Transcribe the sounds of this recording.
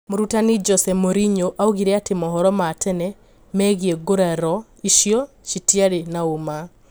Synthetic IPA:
moɾutanid͡ʒɔsɛmoɾiɲoʔauɣiɾɛatemɔɦɔɾɔmatʰɛnɛ | mɛɣiɛɡoɾaɾɔ | iʃjɔ | ʃitiaɾenaoma

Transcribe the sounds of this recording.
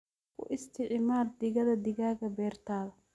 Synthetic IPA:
kʰʊ̰ʔɪst̪ʰɪʕmaːrd̪ɪɣɐðɐd̪ɪɣaːɣɐbɛːrt̪ʰaːðɐ

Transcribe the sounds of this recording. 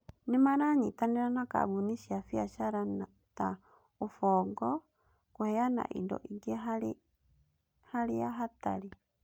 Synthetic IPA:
nemaɾaɲitanɛɾanaka̰buniʃiafiaʃaɾana | ta | ofɔɡɔ | kohɛjana̰ʔḭndɔ̰ʔiɡeɦa | haɾeaɦata̰ɾi

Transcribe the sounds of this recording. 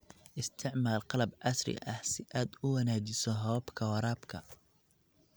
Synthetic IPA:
ʔɪst̪ʰɪʕmaːlqɑlɐbʕɑsrɪ̰ʔɐhsɪʔaːd̪ʊwɑnaːt͡ʃɪsɔɦɔːbkʰɐwɑɾaːbkʰɐ

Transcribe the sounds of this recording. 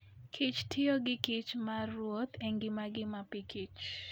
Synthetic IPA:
kʰit͡ʃtʰɪoɡɪkɪt͡ʃmarwot̪ʰeŋɡɪmaɡɪmapikit͡ʃ

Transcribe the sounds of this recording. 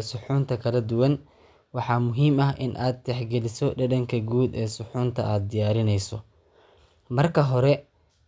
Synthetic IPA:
sʊħuːnt̪ʰɐkʰɐlɐd̪ʊwɐn | wɑħɑːmʊɦiːmɐɦʔɪnʔaːd̪̚t̪ɛħɡɛlɪsɔɖɐdɐŋkʰɐɡuːd̪ɛːsʊħuːnt̪ʰɐ̰ʔaːd̪̚d̪ɪjaːɾɪnɛjsɔ | mɐrkʰɐɦɔɾɛ

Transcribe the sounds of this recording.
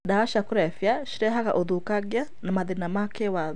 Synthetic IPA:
dawaʃakuɾɛfjaʃiɾɛɦaka̰ʔɔðukaɡjanamaðinamakewað

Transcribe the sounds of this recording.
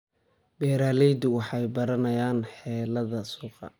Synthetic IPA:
bɛːɾaːlɛjd̪ʊwɑħɑjbɐɾɐnɐjaːnħɛːlɐðɐsuːqɑ̰

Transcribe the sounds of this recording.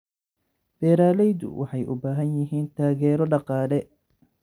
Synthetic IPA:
b̥ɛːɾaːlɛjðʊ̰wʔɑħɑjʔʊ̰baːɦɐnjɪɦiːnt̪ʰaːɣɛːɾɔɖɑqɑːlɛ

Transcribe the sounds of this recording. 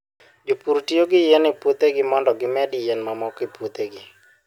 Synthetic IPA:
d͡ʒopuɾtijoɡɪjenɪput̪eɡɪmɔndɔɡɪmɛdɪjenmamɔkɪput̪eɡɪ

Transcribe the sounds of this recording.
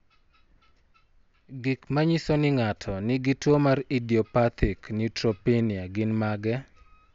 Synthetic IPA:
ɡikmaɲisonɪŋatʰɔnɪɡɪtwomaɾidiɔpat̪ʰɪknɪtɾopiniaɡɪnmaɡɛ

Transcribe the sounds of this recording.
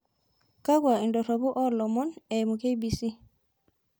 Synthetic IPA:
kaɡwaindɔɾɔbuʔɔlɔmɔnɛmukejbisi

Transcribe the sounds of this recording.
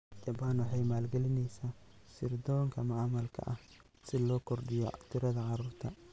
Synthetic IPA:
d͡ʒɐbaːnwɑħɑjmaːlɡɛlɪnɛjsaːsɪrd̪ɔːŋkʰɐmɐamɐlkʰɐ̰ʔɐh | sɪlɔːkʰɔrɖɪjɔt̪ʰɪɾɐðɐʕɑɾuːrt̪ʰɐ

